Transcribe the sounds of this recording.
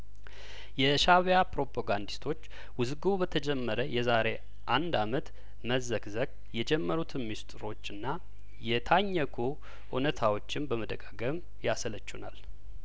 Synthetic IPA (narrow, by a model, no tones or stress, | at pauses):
jɛʃaβjapɾo̞pʰaɡand̪ist̪ʰo̞t͡ʃː | wʊzɡubət̪ʰəd͡ʒɛmːəɾəjɛzaɾe̞ | ʔand̪amət̪ | məzəkzəɡʼ | jɛd͡ʒɛmːəɾut̪ʰɨnmist̪ʼɨɾo̞t͡ʃːɨnːa | jɛt̪ʰaɲːəkʰu | ʔunət̪ʰawo̞t͡ʃːɪnbəməd̪əkʼaɡəm | jasələt͡ʃːuna̰l